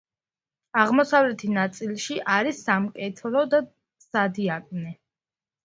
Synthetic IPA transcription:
aʁmɔsavlɛt̪ʰinat̪sʼilˠʃiʔaɾisːamkʼɛt̪ʰlɔd̪a | sad̪iakʼnɛ

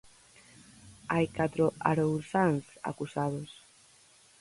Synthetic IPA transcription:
ajkat̪ɾoa̰ɾowθaŋsa̰kusað̞os

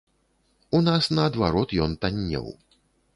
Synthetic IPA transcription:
unasnɐːd̪vaɾɔt̪jɔnt̪anʲːɛ̰w

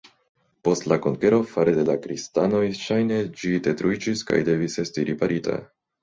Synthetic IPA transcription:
po̞stlako̞ŋke̞ɾo̞faɾede̞lakɾistano̞jʃajne̞d͡ʒide̞tɾuid͡ʒiska̰jde̞vise̞stiɾipaɾʔita̰

